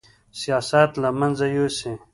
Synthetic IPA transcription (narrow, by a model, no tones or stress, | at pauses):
sijaːsat̪lamanzajose